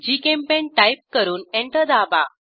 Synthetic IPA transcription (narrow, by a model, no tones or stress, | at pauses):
d͡ʑikempẽnʈajp̚kəɾuːnɛ̃ɳʈəd̪aba